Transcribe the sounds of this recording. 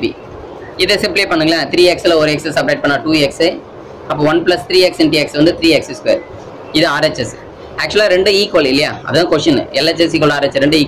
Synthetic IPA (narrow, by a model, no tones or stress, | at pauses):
bḭ | ɪðɛsɪmplɪepɐɳːɯŋɡɐãːt̪ɪɾiːɛksɪlɐɔɾɯɛksɛsɐp̬ɾeɪʈ̚pɐɳːaːʈuːɛksɯ | ɐpːõːʋɐnplɐst̪ɾiːɛksɛnʈiːɛksʋɐnd̪ɯt̪ɪɾiːɛksɛskḛːɾ | ɪðɯaːɾɛt͡ʃːɛs | æːk̚t͡ʃʊɐlaːɾɛɳɖɯiːkoːlɪlːɐjaːɐ̰ðɐðãːkoːʃɐnːɯ̰ɛlːɛt͡ʃːɛs̬iːkoːlaːɾɛt͡ʃːɾɛɳɖɯiːkː